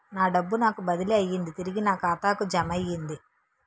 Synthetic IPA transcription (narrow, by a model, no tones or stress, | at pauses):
naːɖɐbːunaːkubɐd̪iliɐjːind̪it̪iɾiɡinaːkaːt̪aːkud͡ʒɐmɐjːind̪i